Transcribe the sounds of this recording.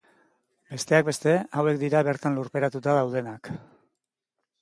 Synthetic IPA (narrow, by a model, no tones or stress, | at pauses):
be̞st̪e̞ak̚be̞st̪e̞awe̞k̚d̪iɾaβe̞ɾt̪anluɾpe̞ɾat̪ut̪aðawð̞e̞nak